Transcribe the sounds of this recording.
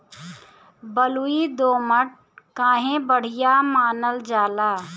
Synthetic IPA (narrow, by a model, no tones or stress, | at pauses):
bəluid̪oːməʈ̚ | kãːɦẽbəɽ̤ɪjamaːnəld͡ʒaːlaː